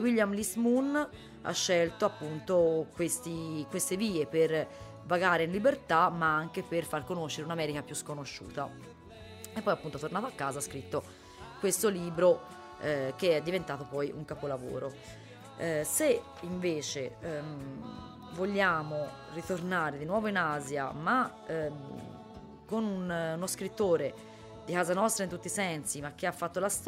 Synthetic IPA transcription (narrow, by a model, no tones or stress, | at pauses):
wiljamlismun | a̰ʃːɛlt̪oapːunt̪okwest̪ikwest̪eviːeper | vaɡaːɾeinlibert̪amaaŋkeperfarkonoʃːeɾeunamɛːɾikapjuskonoʃːṵːt̪a̰ | epːɔjapːunt̪ot̪ornat̪oakːaːzaskɾit̪ːo | kwest̪oliːbɾo | k̟eɛd̪ːivent̪aːt̪opɔjʔṵŋkapolavo̰ːɾo | se | iɱveːt͡ʃe | voʎːaːmo | rit̪ornaːɾed̪inwɔːvoinaːzja̰ma | konununoskɾit̪ːoːɾe | d̪ikaːzanɔst̪ɾaint̪ut̪ːisɛnsimak̟ːeafːat̪ːolast̪